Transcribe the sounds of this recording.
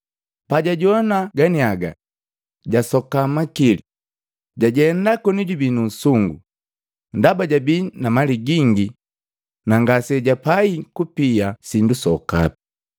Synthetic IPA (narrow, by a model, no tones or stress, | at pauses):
paɟaɟɔnaɡaniaɡa̰ | ɟasɔkamakili | ɟaɟɛndakɔniɟubinun̩suŋɡṵ | ndabaɟabinamaliɡiŋɡi | naŋɡasɛɟapaikupiasindusɔka̰pi̥